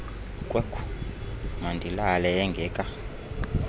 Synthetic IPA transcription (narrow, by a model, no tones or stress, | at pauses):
kʼwɛkʰu̥ | mandʱilalɛɛŋɡʱɛːkʼa